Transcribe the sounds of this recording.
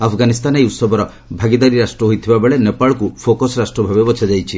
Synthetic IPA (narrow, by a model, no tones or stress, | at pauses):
apʰɡanist̪anejut̪sɔbʱɔɾɔ | bʱaɡid̪aɾiɾasʈɾɔɦojt̪ʰibabeɭenepaɭɔkupʰokɔsɾasʈɾɔbʱabebɔt͡ʃʰad͡ʒajt͡ʃʰi